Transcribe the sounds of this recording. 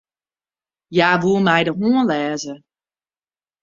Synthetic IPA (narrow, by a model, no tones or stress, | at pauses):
jaːʋuəmɛjdəɦuənlɛːzə